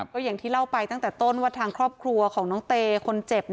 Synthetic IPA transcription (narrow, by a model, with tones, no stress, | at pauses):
kkɔː˥˩ja˨˩ŋt̪ʰiː˥˩la˥˩wpa˧jt̪a˥˩ŋt̪ɛː˨˩t̪o˥˩nwaː˥˩t̪ʰaː˧ŋkʰɾɔː˥˩p̚kʰɾu˧ɐkʰɔː˩˦ŋnɔː˩˥ŋt̪eː˧kʰo˧nt͡ɕe˨˩p̚